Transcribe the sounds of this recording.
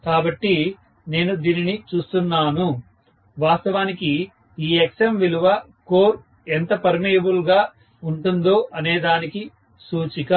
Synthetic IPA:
kaːbɐʈːi | ne̞ːnud̪iːninit͡ʃuːst̪unːaːnu | ʋaːst̪ɐʋaːniki | iːeksemʋiluʋɐ | ko̞ːɾ | ent̪ɐpɐɾmijɐbulɡaː | uɳʈund̪o̞ːʔɐneːd̪aːniki | suːt͡ʃikɐ

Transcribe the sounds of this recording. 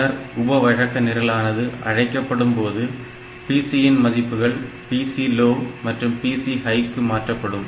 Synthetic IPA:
ɐɾʊbɐʋɐɻɐkːɐnɪɾɐlaːnɐðɯʔɐ̰ɻɐɪkːɐpːɐɽɯmpoːðɯ | piːsijɪnmɐðɪpːɯɣɐɭ | piːsiloːmɐʈrɯmpiːsiɦɐɪkːɯmaːʈrɐpːɐɽɯm

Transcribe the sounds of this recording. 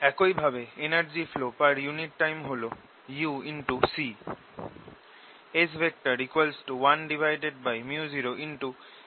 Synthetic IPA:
ɛkojbʱabeenaɾd͡ʑiflopaɾjuniʈːajmɦolo | juinʈusi | esbek̚ʈaɾikuelsʈuwanɖivʱajɖeɖ̚bajmjuziɾoʔinʈu

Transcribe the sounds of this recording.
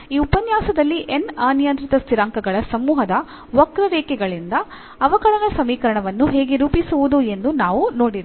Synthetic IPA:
iːupɐnjaːsɐd̪ɐlːiʔenaːnijɐnt̪ɾit̪ɐst̪iɾaːŋkɐɡɐɭɐsɐmːuːɦɐd̪ɐ | ʋɐkɾɐʋeːkɛɡɐɭind̪ɐː | ʋɐkɐɾɐnɐsɐmiːkɐɾɐɳɐʋɐnːuɦe̞ːɡeɾuːpisuʋud̪ue̞nd̪unaːʋuno̞ːɽiɾ

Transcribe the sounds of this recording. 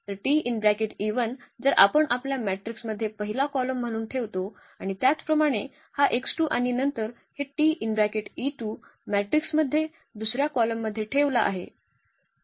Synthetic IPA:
t̪əɾʈiinbɾækeʈiʋənd͡zəɾʔa̰pəɳʔapljamæʈɾiksməd̪ʱːjepəɦilakɔləm̤ːəɽ̃uːnʈʰeʋt̪o | aɽ̃it̪jat͡spɾəmaɽ̃e | haʔeksʈuʔaɽ̃inənt̪əɾ | heʈiʔinbɾækeʈiʈuːmæʈɾiksməd̪ʱːje | d̪usɾjakɔləmːəd̪ʱːjeʈʰeʋlaʔa̰ɦḛ

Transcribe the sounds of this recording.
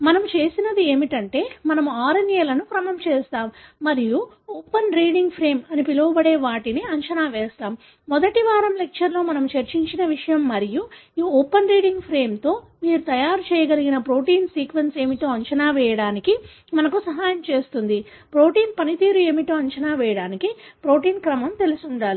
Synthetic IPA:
mɐnɐmut͡ʃe̞ːsinɐd̪ie̞ːmiʈɐɳʈe̞ːmɐnɐmuaːɾɐnjɐlɐnukɾɐmɐmt͡ʃeːst̪aːmːɐɾiju | oːpɐnɾiːɽiŋɡpʰɾe̞ːmɐnipilɐʋɐbɐɽeːʋaːʈiniɐɲt͡ʃɐnaːʋɛːst̪aːmː | ɔd̪ɐʈiʋaːɾɐmlek̚t͡ʃɐɾlo̞ːmɐnɐmut͡ʃɐɾt͡ʃiɲt͡ʃinɐʋiʂɐjɐmːɐɾijuiːɔːpɐnɾiːɽiŋɡpʰɾe̞ːmt̪o̞ː | miːɾut̪ɐjaːɾut͡ʃɛːjɐɡɐliɡinɐpɾo̞ːʈiːnsiːkʋense̞ːmit̪o̞ːɐɲt͡ʃɐnaːʋɛːjɐɽaːniki | mɐnɐkusɐɦaːjɐmt͡ʃe̞ːst̪und̪i | pɾo̞ːʈiːnpɐnit̪iːɾue̞ːmit̪oːɐɲt͡ʃɐnaːʋɛːjɐɽaːnikipɾo̞ːʈiːnkɾɐmɐmt̪e̞lusuɳɖaːli

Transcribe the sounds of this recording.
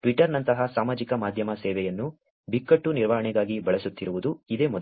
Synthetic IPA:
ʈʋiʈːɐɾnɐnt̪ɐɦɐsaːmaːd͡ʒikɐmaːd̪ʱjɐmɐsɛːʋɛjɐnːu | bikːɐʈːuniɾʋɐɦɐɳiɡaːɡibɐɭɛsut̪ːiɾuʋud̪uid̪e̞ːmɔd̪

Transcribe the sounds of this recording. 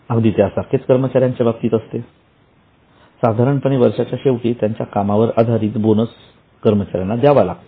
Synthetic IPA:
aɡd̪it̪jasaɾkʰet͡skəɾmət͡ɕaɾjaɲt͡ɕebab̚t̪iːt̪əst̪e | sad̪ʱaɾəɳpəɳeʋəɾʂat͡ɕjaɕeʋʈiːt̪jaɲt͡ɕjakamaʋəɾad̪ʱaɾiːt̪bonəs | kəɾmət͡ɕaɾjanːad̪jaʋala̰t̪

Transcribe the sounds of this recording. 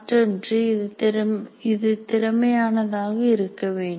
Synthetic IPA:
ʈrndrɯɪɾɪðɯt̪ɪɾɐmɐjaːnɐðaːɣɐɪɾɯkːɐʋeːɳɖɯ

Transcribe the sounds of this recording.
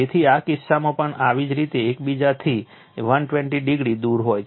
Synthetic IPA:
et̪ʰiakɪsːamãpəɳaʋid͡ʒɾit̪eːkbid͡ʒat̪ʰi | ʋənʈʋɛ̃ɳʈiɖiɡɽid̪uɾɦoj

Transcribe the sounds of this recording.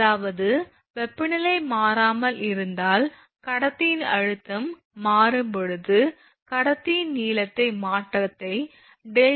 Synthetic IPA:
aːʋɐðɯ | ʋɛpːɪnɪlɐɪmaːɾaːmɐlɪɾɯnd̪aːl | kɐɽɐt̪ːɪjɪnɐ̰ɻɯt̪ːɐmː | aːɾɯmpɔɻɯðɯ | kɐɽɐt̪ːɪjɪnniːlɐt̪ːɐɪmaːʈrɐt̪ːɐɪ | ɖɛ

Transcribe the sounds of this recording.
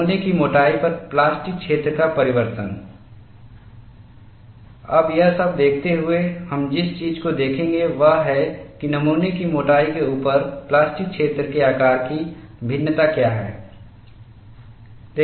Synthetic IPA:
nekimoːʈaːipəɾplaːsʈɪk̚kʃʰeːt̪ɾəkapɐɾɪʋəɾt̪ən | ɐ̰bjɐɦsəb̚d̪eːkʰt̪eɦʊehɐmd͡ʒɪst͡ʃiːd͡ʒkod̪eːkʰẽːŋ̆ɡeʋəɦɦɛkinɐmuːnekimoːʈaːikeuːpəɾplaːsʈɪk̚ʃʰeːt̪ɾəkeaːkaːɾkibʱɪ̃nːət̪akjaːɦɛ̰ː | d̪̥eː

